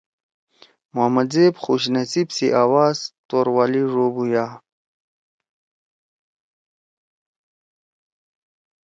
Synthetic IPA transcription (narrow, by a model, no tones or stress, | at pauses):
muɐmɐd̪zeːbxuɕnɐsibsiʔaːwaːzt̪oːɾwaːliɾoːbujaː